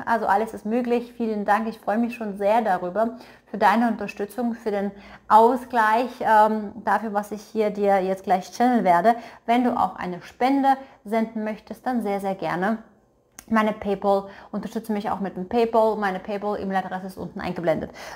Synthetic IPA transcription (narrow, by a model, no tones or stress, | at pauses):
ʔa̰lzoʔaləsɪstmøːklɪçfiːləndaŋkɪçfʁ̥ɔʏəmɪçʃoːnzeːɐdaʁyːbɐ | fyːɐdaɪnəʊntɐʃtʏt͡sʊŋfyːɐdeːnʔaʊsɡ̥laɪçʔɛːmd̥afyːɐvasɪçhiːɐdiːɐjɛt͡stɡ̥laɪçt͡ʃɛnəl̩veːɐdəvɛnduːʔa̰ʊxʔa̰ɪnəʃpɛndə | zɛndn̩mœçtəst̚d̥anzeːɐzeːɐɡɛɐnə | maɪnəpʰeɪpɔlʔʊntɐʃtʏt͡səmɪça̰ʊxmɪt̚d̥eːmpʰeɪpɔlmaɪnəpʰeɪpɔlʔɪ̰mladʁɛsəɪstʔʊ̰ntn̩ʔa̰ɪŋɡəblɛndə̰t